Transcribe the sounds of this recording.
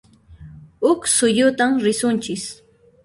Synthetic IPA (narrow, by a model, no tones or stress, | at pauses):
ʊksʊjʊt̪amɾɪsʊnt͡ʃɪs